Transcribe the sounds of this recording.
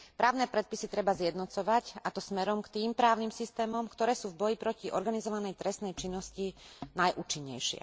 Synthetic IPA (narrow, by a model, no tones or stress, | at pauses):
pɾaːʊnɛːpɾɛt̪̚pisit̪ɾɛbazjɛd̪nɔt͡sɔʋacat̪ɔsmɛɾɔmkt̪iːmpɾaːʊnimsist̪ɛːmɔmkt̪ɔɾɛːsuːvbɔjipɾɔciʔɔ̰ɾɡanizɔʋanɛjt̪ɾɛst̪nɛjt͡ʃinːɔscinajʔuːt͡ʃiɲːɛ̰jʃɪɛ̰